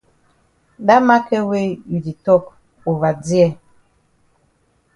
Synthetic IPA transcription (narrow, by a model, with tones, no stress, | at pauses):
da˦ma˦kɛ˦we˦ju˨di˨tɔ˦˨k | o˨va˨d͡zi˦ɛ˦˨